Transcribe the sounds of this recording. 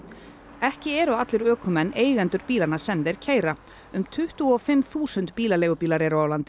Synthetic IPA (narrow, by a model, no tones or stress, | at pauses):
ɛhcɪɛɾʏat̪lɪɾœːkʰʏmɛnːʔeːjɣɛnt̪ʏɾpiːlanasɛmðɛɾ̥cʰeːjɾa | ʏmt̪ʰʏht̪ʏɔfɪmθuːsʏnt̪piːlaleːɣʏpiːlaɾeɾaaːwlant̪ɪ